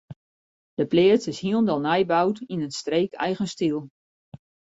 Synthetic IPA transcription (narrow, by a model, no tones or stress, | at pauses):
d̥əplɪːəsɪshiəlˠndɔlˠnɛjbawtinənstreːkʰɛ̰jɣənstilˠ